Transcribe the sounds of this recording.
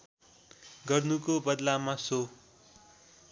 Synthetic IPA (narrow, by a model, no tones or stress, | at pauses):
ɡʌrnukobʌd̪lamaso